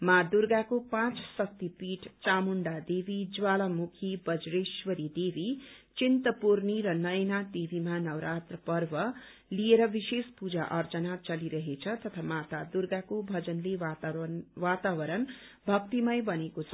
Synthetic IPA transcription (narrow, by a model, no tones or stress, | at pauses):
mad̪uɾɡakopãt͡ssʌk̚t̪ipiʈt͡samuɳɖad̪ebid͡zwalamukʰibʌd͡zɾeswʌɾid̪ebʱit͡sint̪ʌpuɾniɾʌnʌjnad̪ebʱimanʌwɾat̪rʌpʌrbʌ | lieɾʌbisespud͡zaʔʌrt͡sʌnat͡sʌliɾʌɦet͡sʰʌt̪ʌt̪ʰamat̪ad̪uɾɡakobʱʌd͡zʌnle | wat̪abʌɾʌnbʱʌk̚t̪imʌjbʌnekot͡sʰʌ